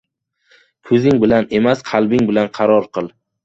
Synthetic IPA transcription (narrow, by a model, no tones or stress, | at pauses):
kʰɵzɪŋbɪlane̞masqʰɑlˠbɪŋbɪlanqʰɑɾɒɾqʰɨlˠ